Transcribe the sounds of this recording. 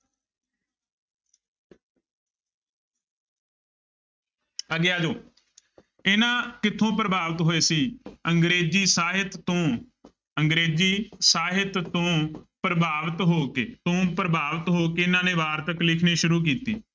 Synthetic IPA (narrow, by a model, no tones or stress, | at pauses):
əɡɪjaːd͡ʒoː | ɪnãːkɪt̪ʰːõːpɾəbaːʋət̪ɦoːeːsiːəŋɡɾeːziːsaːɦɪt̪ːõː | əŋɡɾeːziːsaːɦɪt̪õːpɾəbʱaːʋət̪ɦoːkeːt̪õːpɾəbʱaːʋət̪ɦoːkeɪnãːneːʋaːɾt̪əklɪkʰniːʃʊɾuːk̬iːt̪ḭː